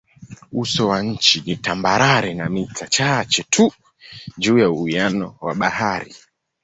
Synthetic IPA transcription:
usɔwaɲ̩t͡ʃinitambaɾaɾɛnamitʰat͡ʃat͡ʃɛtʰu | ʄuːjauianɔwaɓahaɾi

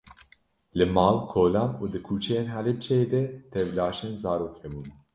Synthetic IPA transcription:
lɨmɑːlkʰoːlɑːnuːd̪ɨkʰuːt͡ʃʰɛjeːnɦælɨb̚t͡ʃʰɛjeːd̪ɛt̪ʰɛvlɑːʃenzɑːɾoːkhɛbuːn

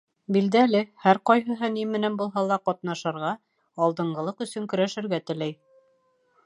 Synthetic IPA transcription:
bild̪ælɘhæɾqɒjɦɤ̆ɦɤnimɘ̆nænbulˠɦɑlˠɑqɑt̪nɑʃɤ̆ɾʁɑ | ɑlˠd̪ɤ̆ɴɢɤ̆lˠɤqɵ̆sɵŋkɵ̆ɾæʃɘ̆ɾɡæt̪ɘ̆læj

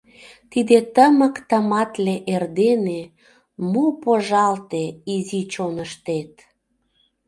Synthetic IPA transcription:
t̪id̪et̪əməkt̪əmɑt̪leʔerd̪ene | mopoʒɑlt̪eizit͡ɕonəʃt̪et̪

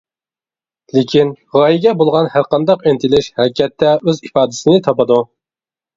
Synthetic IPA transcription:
lɪkʲin | ʁɑjiɡʲɛbolˠʁɑnhæɾqɑnd̪ɑqent̪ʰɪlɪʃhæɾɪkʲɛt̪ʰːɛøzifɑːd̪ɪ̥sɨnɪt̪ʰɑpɑd̪u

